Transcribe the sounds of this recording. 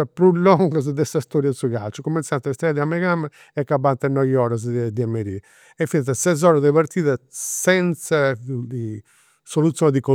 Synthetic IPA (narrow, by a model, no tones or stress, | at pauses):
pɾulːɔŋɡɔz̬d̪ɛsast̪ɔɾjasuɣalt͡ʃɔkumɛnsant̪ɛst̪ɾɛðiamːɛɣam | ɛkːabant̪anːɔjɔɾaz̬d̪iamːeɾi | ɛfint̪asɛzɔɾaðɛβaɾt̪iːðasɛnt̪sa | solut̪sːjɔnd̪iko